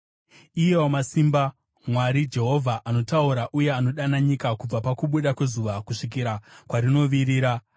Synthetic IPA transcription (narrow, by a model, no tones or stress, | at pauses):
ijewomasimba | mwaɾid͡ʒe̞ɦo̞vʱaʔano̞tauɾaʔuje̞ano̞ɗanaɲikakub͡vapakuɓuɗakwe̞zuʋakuʂik̬iɾakwaɾino̞ʋiɾiːɾa